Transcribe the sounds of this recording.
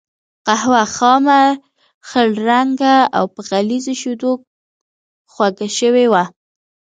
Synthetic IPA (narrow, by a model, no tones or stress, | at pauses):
qahwaxɑma | xəɽɾaŋɡaa̰wpəɣalizoʃud̪ok̚ | xwaɡaʃəwewa